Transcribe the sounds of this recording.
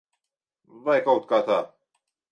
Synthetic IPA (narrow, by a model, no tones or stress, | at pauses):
vajkawt̪̚kat̪a